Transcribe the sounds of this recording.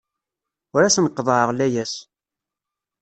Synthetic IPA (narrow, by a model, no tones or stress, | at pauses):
ʊɾæsnqːðˤəʕəʁlæjæs